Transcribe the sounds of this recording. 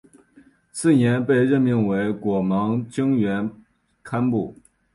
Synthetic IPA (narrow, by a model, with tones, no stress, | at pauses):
t͡sʰɹ̩˥˩njɛ˧˥npe˥˧ɪɻə˥˧nmi˥˩ŋwe˧˥ɪkwɔ˨˩mɑ˧˥ŋt͡ɕi˥ŋɥɛ˧˥n | kʰa˥npu˥˩